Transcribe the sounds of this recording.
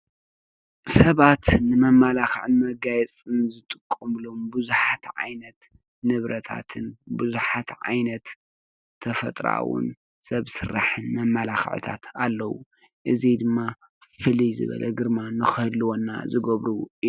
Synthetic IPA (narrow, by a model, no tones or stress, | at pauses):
sɐβat̪nɨmɐmːalaxʕɨnmɐɡajɛt͡sʼɨnzɨt̪ʼɨkʼːumlombɨzuħat̪ʕa̰jnɐt̪ | nɨβɾɐt̪ʰa̰t̪ʰɨnbuzuħat̪ʕa̰jnɐt̪ʰː | ɐfɐt̪ʼɾa̰wʊ̰n | sɐβsɨrːa̰ħɨnmɐmːɐlaxʕɨ̰t̪ʰa̰t̪ʰalːɐwṵ | ʔɨzid̪ɨmːa | fɨlizɨ̰βɐ̰lʔɐ̰ɡɨɾmanɨxɨhɨlːɨwonːa̰zɨɡɐβɾuʔ